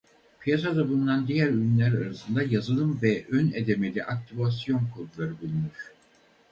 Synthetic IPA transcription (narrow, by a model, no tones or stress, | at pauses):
pʰijasad̪abund̪and̪ijæɾynlʲæɾaɾasɯnd̪ajazɯlˠɯmvɛʔøned̪e̞me̞lʲiʔak̚t̪ʰivas̬jo̞nkʰo̞d̪ulˠaɾɯbulˠunyɾ